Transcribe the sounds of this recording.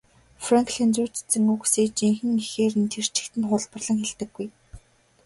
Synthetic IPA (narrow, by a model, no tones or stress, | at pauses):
fraŋkʰɮent͡su̥ːt͡ɕt͡sɘ̆ŋukseːt͡ɕiŋxɘ̆ŋixeːrɘ̆nt̪ʰer̥t͡ɕɪ̥̆kt̪ɘ̆nχʊɮpə̆rɮə̆ŋxeɮt̪ɘ̆ɡːuj